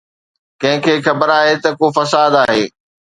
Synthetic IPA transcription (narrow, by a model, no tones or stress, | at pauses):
kɐ̃ɦɪ̃kʰeːxʰɐbəɾaːɦet̪ɐkofɐsaːd̪aːɦeː